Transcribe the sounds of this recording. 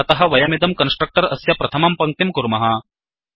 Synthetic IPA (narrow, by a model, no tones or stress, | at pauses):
ɐt̪ɐɦɐ̆ʋɐjɐmid̪ɐmkɐnsʈɾɐk̚ʈɐɾɐ̰sjɐpɾɐt̪ʰɐmɐmpɐŋ̚t̪imkuɾmɐɦɐ